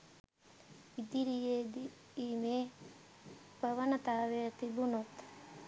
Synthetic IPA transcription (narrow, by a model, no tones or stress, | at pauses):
id̪iɾijed̪i | imeː | bəʋənət̪aːʋeət̪ibunot̪